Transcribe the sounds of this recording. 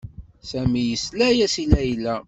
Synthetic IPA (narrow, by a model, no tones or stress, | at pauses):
sæmijəslæjæsilæjlæ